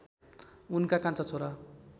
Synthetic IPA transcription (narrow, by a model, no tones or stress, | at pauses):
unkakãnt͡sat͡sʰoɾa